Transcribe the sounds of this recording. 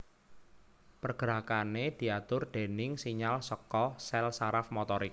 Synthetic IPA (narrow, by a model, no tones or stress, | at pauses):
pərɡ̥əɾakaned̪̥i̤at̪ʊrd̪̥e̤nɪŋsiɲalsəkɔsɛlsaɾafmot̪ɔɾik̚